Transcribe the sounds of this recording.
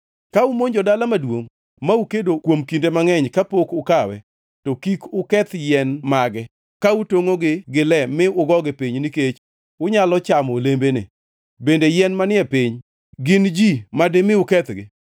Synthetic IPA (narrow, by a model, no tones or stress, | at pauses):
kaʊmoɲd͡ʒɔdalamadwoŋ | maukedokwomkindemaŋɛɲkapokʊkawɛ̰ | tɔkikʊkɛt̪jɛnmaɡɛ | kautoŋoɡɪɡɪlɛmɪʊɡɔɡɪpiɲniket͡ʃ | ʊɲalɔt͡ʃamɔlembenɪ̰ | bendejɛnmanɪɛpɪɲ | ɡɪnd͡ʒimadɪmɪʊkɛt̪ɡɪ̰